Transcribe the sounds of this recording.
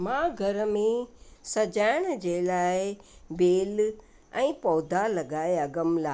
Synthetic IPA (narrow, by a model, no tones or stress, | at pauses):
mãːɡʱɐɾəmẽsɐd͡ʑaːɪɽ̃d͡ʑeːlaːɪbeːl | ɛ̃ːpɔːd̪ʱalɐɡaːeɐɡəmlaː